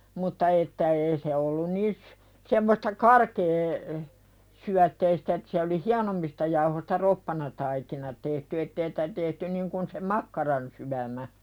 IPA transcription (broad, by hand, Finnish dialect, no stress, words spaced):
mutːɑ etːæ eː se olːun niːs semːostɑ kɑrkeː syætːeistæ et se oli hiɑnomːistɑ jɑuhostɑ ropːɑnɑtɑikinɑ tehty etːeː sĭ̥tæ tehty niŋ kun se mɑkːɑrɑnsyæmæ